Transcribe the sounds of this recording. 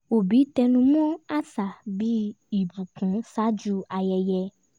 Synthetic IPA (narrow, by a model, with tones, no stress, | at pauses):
o˨bi˨˦tɛ˧nũ˧m̃ɔ̃˦a˦sa˨bi˦ | i˦˨bu˨kũ˨˦sa˦d͡ʒu˧a˧jɛ˧jɛ˧